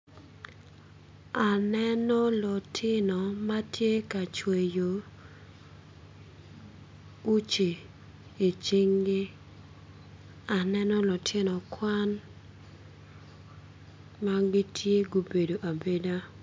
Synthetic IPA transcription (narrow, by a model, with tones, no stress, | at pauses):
a˨nɛ˦nɔ˦lɔ˨tʰɪ˦nɔ˨ma˦tje˦ka˨t͡ʃwe˨jo˨ | u˦t͡ʃe˨ | i˨t͡ʃi˦ŋɡɪ˦ | a˨nɛ˦nɔ˦lɔ˨tʰɪ˦nɔ˨kwa˦n | ma˦ɡi˦tʰje˦ɡo˨be˨do˨ʔa˨be˦da˦